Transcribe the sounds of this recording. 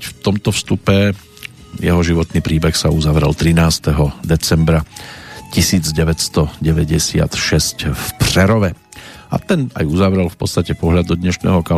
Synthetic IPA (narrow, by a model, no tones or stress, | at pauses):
ft̪ɔmt̪ɔfst̪upɛ | jɛɦɔʒiʋɔt̪niːpɾiːbɛxsauzaʋɾɛ̰lt̪ɾinaːst̪ɛɦɔd̪ɛt͡sɛmbɾacisiːd͡zɟɛʋɛcst̪ɔɟɛʋɛɟɛsɪa̰t̪ʃɛscfpɾɛɾɔʋɛ | a̰t̪ɛna̰juzaʋɾɛlfpɔtt͡st̪acɛpɔɦʎad̪ɔd̪ɲɛʃnɛ̰ːɦɔka